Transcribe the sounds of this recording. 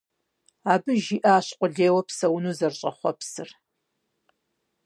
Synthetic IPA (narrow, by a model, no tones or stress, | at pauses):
aːbɨʒiːʔaːɕqʷʼʊɮeːwɐpsɐwnuːzɐrɕʼɐχʷɔ̰psɨ̰r